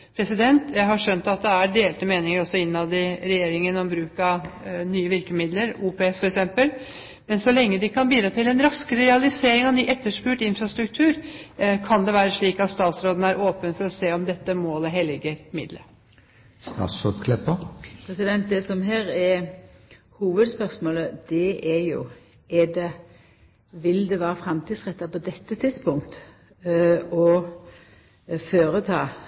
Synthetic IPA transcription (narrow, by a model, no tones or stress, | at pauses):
pʰɾɛsɪd̪ɛnt̪ʰjæɪɦɑʂœnt̪ɑt̪̚d̪ɛæɖ̪eːlt̪əmeːnɪŋəɾɔsɔɪnːnɑʋd̪ɪɾɛjeːɾɪŋənɔmbɾʉːkɑnyːəʋɪɾkəmɪd̪ləɾuːpeɛsfɔɾɛksɛmpəl | mɛnsɔlɛŋːəd̪ɪkʰɑnbiːd̪ɾɑːt̪ʰɪlɛnɾɑskəɾəɾɛɑlɪseːɾɪŋɑnyːʔɛt̪ːəʂpʉːʈɪnfɾɑst̪ɾʉk̚t̪ʰʉːɾkʰɑnd̪ɛʋæːɾəʂɭiːkɑt̪st̪ɑːt̪sɾoːd̪nəæɾʔoːpənfɔɾɔseːɔmd̪ɛt̪ːəmoːləɦɛlɪɡəɾmɪ̰d̪lə̰ | st̪ɑ̰ːt̪sod̪kʰlɛpəpʰɾɛsɪd̪ɛnt̪̚d̪ɛsɔmɦeːɾɛɾ | huːʋəd̪spœʁsmoːləd̪ɛʔɛjʊ̰ | ɛɖɛ | ʋɪld̪ɛʋæːɾəfɾɛmt̪ʰid̪sʁɛt̪ːɑpɔd̪ɛt̪ːət̪ʰɪd̪spʊŋkt̪ | ɔ | føːɾət̪ʰɑ̰ː